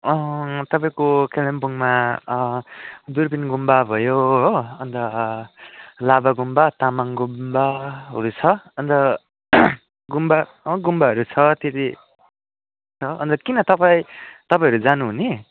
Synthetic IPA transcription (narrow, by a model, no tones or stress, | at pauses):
ʌt̪ʌpaĩkokelembuŋma | d̪uɾbinɡumbabʱʌjoɦʌnd̪ʌ | labaɡumbat̪amaŋɡumbaɦʌ̰ɾut͡sʰʌʌnd̪ʌ | ɡumba | ɡumbaɦʌɾut͡sʰʌt̪ʰet̪i | t͡sʰʌʔʌnt̪ʌkinʌt̪ʌpait̪ʌpaj̃ɦʌɾud͡zanuɦuni